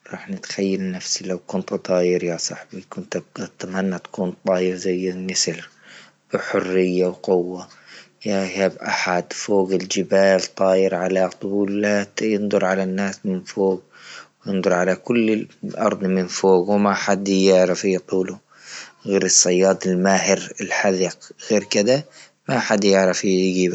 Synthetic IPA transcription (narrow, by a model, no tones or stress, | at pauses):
ɾˤɑ̰ːħnɪt̪xajːalnafsilawkʊnt̪t̪ˤɑːjɪɾjasˤɑħbikʊnt̪at̪amanːat̪ḁkuːnt̪ˤɑːjɪɾzajːɪnɪsɪl | b̥ɪħʊrːɪjːawqʊwːa | jahabʔaħad̪foːɡɪld͡ʒɪbaːlt̪ˤɑːjɪɾʕalat̪ˤʊbuːlaːt̪jɪnd̪ˤʊɾˤʕalanːaːsmɪnfoːɡ | wjɪnd̪ˤʊɾˤʕalakʊlːɪʔɑ̰ɾˤd̪ˤmɪnfoːɡwmaħad̪jɪʕɾafit̪ˤuːlʊ | ɣeːɾɨsˤːɑjːɑːd̪ˤɪlmaːɦɪɾɪlħaðiqɣeːɾkɪd̪a | maħad̪jɪʕɾafɡiːba